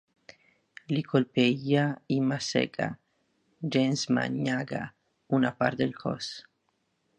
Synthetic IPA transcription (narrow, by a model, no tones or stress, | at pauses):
likʰolpeiaimasḛka̰ | d͡ʒensma̰ɲaɡa̰ | unapaɾd̪elko̰s